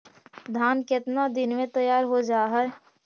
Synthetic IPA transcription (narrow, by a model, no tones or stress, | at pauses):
d̪ʱaːnkɪt̪nad̪ɪnmẽt̪ɐjaːɾɦod͡ʒaːɦɛ